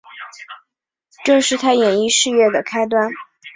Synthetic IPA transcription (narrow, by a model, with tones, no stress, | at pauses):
ʈ͡ʂɤ˥˧ʂɻ̩˥˩t̪ʰa˥jɛ˨˩ni˥˧ʂɻ̩˥˧ɥɛ˥˩d̪ə˩kʰa˥ɪt̪wa˥n